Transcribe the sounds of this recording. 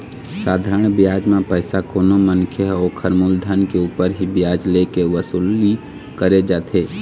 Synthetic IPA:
saːd̪ʱaːɾəɳ̃bjaːd͡ʒmẽpəɪsakoːnomənkʰjəɦokʰəɾmuld̪ʱənkeuːpəɾɦibjaːd͡ʒlekeʋəsuːli | kəɾed͡ʒaːt̪ʰeː

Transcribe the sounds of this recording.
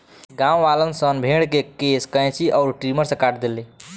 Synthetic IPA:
ɡãw̃ʋalənsənbʱeɽkekeskəj̃t͡ʃiʔɔʊɾʈɾiməɾsə̃kaʈʰd̪eli

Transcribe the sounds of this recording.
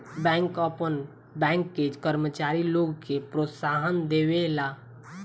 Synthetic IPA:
bɛ̃ŋkəpən | bɛ̃ŋkːed͡ʒkəɾmət͡ʃaɾiloɡkepɾot̪saɦənd̪ewela

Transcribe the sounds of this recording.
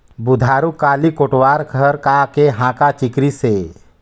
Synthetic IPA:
bud̪ʱaːɾukaːlikoʈwaɾkʰəɾkakeɦãkat͡ʃikɾise

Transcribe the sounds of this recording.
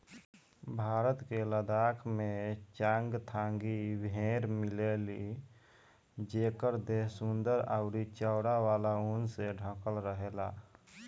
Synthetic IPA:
bʱaːɾət̪keləd̪aːkʰmẽt͡ʃãŋɡt̪ʰãːŋɡibʱẽɾmɪleli | d͡ʒeːkəɾd̪eɦsund̪əɾa̰ʊɾit͡ʃəʊɽawaːlaunseɖʱə̃kəlɾəɦela

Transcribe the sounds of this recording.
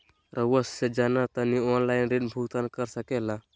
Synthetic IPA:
ɾʔəʋəsːed͡ʒaːnat̪ənioːnlaːɪnɾinbʱuːt̪ankəɾsəkeːlaː

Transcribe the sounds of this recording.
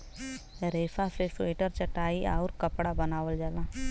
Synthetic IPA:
ɾeːsaseseːʈəɾt͡ʃəʈaːia̰ːɾkəpɽabənaːʋəld͡ʒaːlãː

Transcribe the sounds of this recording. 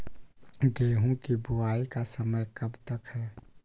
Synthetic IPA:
ɡeːɦõkibʱʊaːikasəməjkɐbt̪əkhɛː

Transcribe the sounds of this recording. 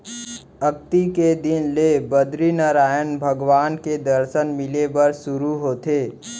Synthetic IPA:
ək̚t̪iked̪ɪnlebəd̪ɾinaɾaːjənbʱəɡʋaːnked̪əɾsənmɪlebəɾsʊɾuɦoːt̪eː

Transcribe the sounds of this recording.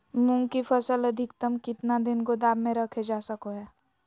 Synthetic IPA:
mũŋɡkifʰəsələd̪ʱɪkt̪əmkɪt̪nad̪ɪnkod̪aːbmẽɾɐkʰed͡ʒaːsəkoɦɛː

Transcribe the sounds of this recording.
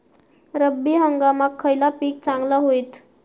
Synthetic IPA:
ɾəbːiːɦəŋɡamakʰːəjlapiːk̚t͡saŋɡlaɦoit̪

